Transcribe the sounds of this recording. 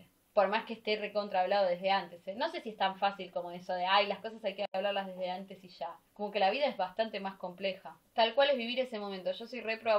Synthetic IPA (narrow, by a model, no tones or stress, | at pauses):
po̞ɾmaskeːst̪ereko̞nt̪ɾaβlaðoðeɦðe̞ant̪eseno̞se̞siest̪aɱfasilko̞moesoðeajlasko̞s̬asajkeaβlaɾlazðe̞ɦðeant̪e̞siʃako̞mo̞ke̞laβiðaezβast̪ant̪e̞masko̞mplexat̪alkwalezβiβiɾe̞se̞mo̞mẽnt̪oʒ̥o̞sojrepɾoβa